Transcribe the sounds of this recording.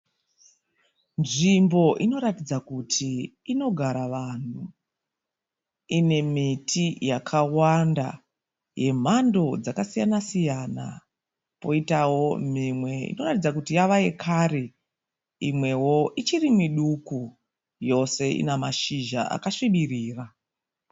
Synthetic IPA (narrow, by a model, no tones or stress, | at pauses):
nʐimbo̞ʔino̞ɾatid͡zakutʰiː | no̞ɡʱaɾaʋan̤u | ine̞mitʰijakʰawanda̰ | je̞m̤ando̞d͡zakasijanasijana̰ | po̞itawo̞mimwe̞ḭno̞ratid͡zakutijaʋaje̞kʰaɾi | imwe̞wo̞ʔit͡ʃirimiɗuku | jo̞se̞ḭnamaʃiʒa̰ʔa̰kaʂiɓiriːra